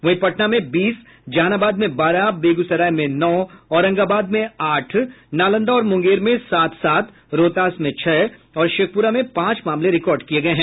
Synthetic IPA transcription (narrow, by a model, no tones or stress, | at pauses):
ʋɐɦĩpɐʈnamẽbiːs | d͡ʒaːnaːbaːd̪mẽbaːɾabeːɡusɐɾaːjmẽnɔːɔːɾɐ̃ŋɡaːbaːd̪mẽaːʈʰnaːlə̃nd̪aɔːɾmʊ̃ŋɡeːɾmẽsaːt̪saːt̪ʰ | ɾoːt̪aːsmẽt͡ʃʰɛː | ɔːɾʃeːk̚ʰpuɾamẽpãːt͡ʃmaːmleɾɪkɔːɾɖkieɡɐeɦɛ̃ː